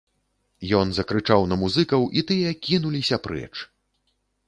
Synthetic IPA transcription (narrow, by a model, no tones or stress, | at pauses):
jɔnzɐkɾɨt͡ʂawnɐmuzɨkɐwʔit̪ɨjɐkʲinulʲisʲɐpɾɛ̰t͡ʂ